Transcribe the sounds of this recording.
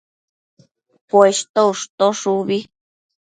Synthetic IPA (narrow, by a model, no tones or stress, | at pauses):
pweʃt̪ouʂt̪oʂuβi